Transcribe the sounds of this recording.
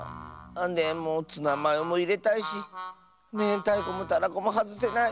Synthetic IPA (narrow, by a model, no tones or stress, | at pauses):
ãnd̪ẽmõt͡sɨnãmãjomõiɾet̪aiʃi | nẽt̪aikomũt̪anãkomõɦat͡sɨsenã